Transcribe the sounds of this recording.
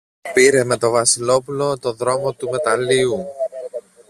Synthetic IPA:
piɾe̞me̞t̪o̞vɐsilo̞pulo̞t̪o̞ðɾo̞mo̞t̪ume̞t̪ɐliu

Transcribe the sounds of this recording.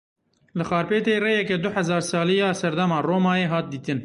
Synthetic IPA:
lɨxɑːɾpeːt̪eːreːjɛkɛd̪ʊħɛzɑːɾsɑːlijɑːsɛɾd̪ɛmɑːroːmɑːjeːɦɑːt̪̚d̪iːt̪ɨn

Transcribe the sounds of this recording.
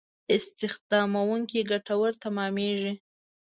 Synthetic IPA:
ɪst̪ɪxd̪ɑmawuŋkiɡaʈawəɾt̪amɑmeʒi

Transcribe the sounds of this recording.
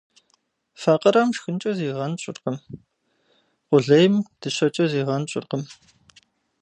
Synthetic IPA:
faːqʼɐɾaːmʂxɨnt͡ʃʼɐziːʁɐnɕʼɪ̰rqəm | qʷʊɮɐjmd̥ɨɕɐt͡ʃʼɐziːʁɐnɕʼɪ̰rqəm

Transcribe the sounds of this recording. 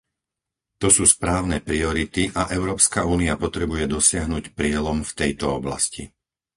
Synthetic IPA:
t̪ɔsuːspɾaːʊnɛpɾiɔɾit̪iʔaʔɛʊɾɔːpskauːniapɔt̪ɾɛbujɛd̪ɔsɪaɦnuːcpɾɪɛlɔmft̪ɛjt̪ɔɔbla̰scḭ

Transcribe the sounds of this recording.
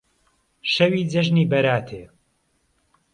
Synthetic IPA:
ʃɐwiːd͡zɐʒniːbɐɾaːt̪ʰeː

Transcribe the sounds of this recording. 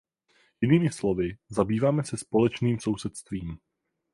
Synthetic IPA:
jɪniːmɪslo̞vɪzabiːvaːmɛsɛspo̞lɛt͡ʃniːmso̞wsɛt̪st̪viːm

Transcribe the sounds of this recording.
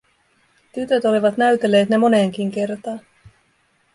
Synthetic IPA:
t̪yt̪øt̪o̞liʋɑt̪næɥt̪e̞lːe̞ːt̪ne̞mo̞ne̞ːŋk̟iŋk̟e̞rt̪ɑː

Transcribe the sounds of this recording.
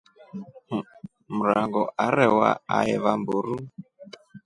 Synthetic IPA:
m̩ɾaŋɡɔʔaɾɛwa̰a̰ɛβamboɾu

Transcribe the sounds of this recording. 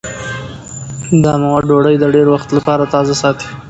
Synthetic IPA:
d̪əamawaɖoɽəjd̪əɖeɾwaxt̪lapɑɾat̪ɑzasɑt̪i̥

